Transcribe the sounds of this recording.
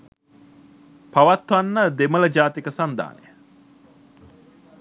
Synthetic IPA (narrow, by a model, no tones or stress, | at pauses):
paʋat̪ʋanːəd̪emələd͡ʒaːt̪ikəsand̪a̰ːnḛjə